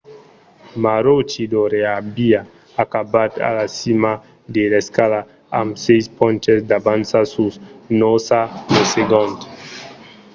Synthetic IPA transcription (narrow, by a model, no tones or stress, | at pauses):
maɾot͡ʃid̪oɾeabia | akabat̪a̰lasima | d̪eleskala | amsejspɔ̃nt͡ʃesd̪abansasusnosaneseɡõnt̪